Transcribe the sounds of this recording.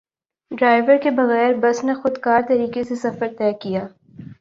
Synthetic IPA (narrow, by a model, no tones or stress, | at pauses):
ɖɾaːɪʋəɾkebɐɣɛːɾbɐsnexʊd̪kaːɾt̪ɐɾiːkesesɐfəɾt̪ɛːkijaː